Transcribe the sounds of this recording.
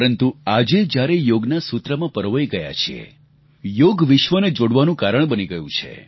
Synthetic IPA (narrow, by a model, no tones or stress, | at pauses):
əɾənt̪uad͡ʒed͡ʒjaɾejoɡnasut̪ɾəmãpəɾʋəiɡəja̰t͡ʃʰiḛ | joɡʋɪʃʋəned͡ʒoɽʋanũkaɾəɳbəniɡəjṵ̃t͡ʃʰḛ